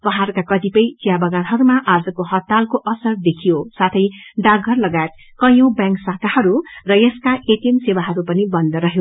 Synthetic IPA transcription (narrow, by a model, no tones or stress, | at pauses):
pʌɦarkakʌt̪ipʌjt͡sijabʌɡanɦʌɾumaʔad͡zʌkohʌt̪ːalkoʔʌsʌrd̪ekʰijosat̪ʰʌjɖaɡʱʌrlʌɡajet̪̚ | kʌjobjãŋksakahʌɾurʌjʌskaʔeʈimsewaɦʌɾupʌnibʌnd̪ʌɾʌɦjo